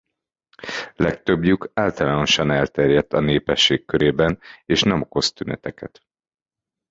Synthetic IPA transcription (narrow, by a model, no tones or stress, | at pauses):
lɛk̚t̪ø̞bjukaːlt̪ɒlaːno̞ʃɒnɛlt̪ɛrjɛt̪ːɒneːpɛʃːeːkːøɾeːbɛneːʃnɛmo̞ko̞st̪ynɛ̰t̪ɛkɛt̪